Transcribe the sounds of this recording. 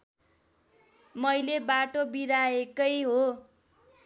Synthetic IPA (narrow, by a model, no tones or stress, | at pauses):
mʌjlebaʈobiɾaekʌjɦo